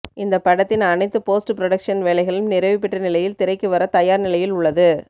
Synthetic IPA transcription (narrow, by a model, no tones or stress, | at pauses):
ɪnd̪ɐpːɐɽɐt̪ːɪnɐnɐɪt̪ːɯpoːsʈɯpɪɾɔɽɐkʂɐnʋeːlɐɪɣɐɭɯmnɪɾɐʋɪpːɪʈːɐnɪlɐjɪlt̪ɪɾɐɪkːɯʋɐɾɐt̪ɐjaːɾnɪlɐjɪlʊɭːɐðɯ